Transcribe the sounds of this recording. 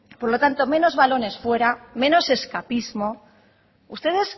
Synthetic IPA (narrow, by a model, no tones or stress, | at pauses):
po̞ɾlo̞t̪ant̪o̞mẽ̞no̞zβalo̞ne̞sfwe̞ɾamẽ̞no̞se̞skapizmo̞ | ust̪e̞ðe̞s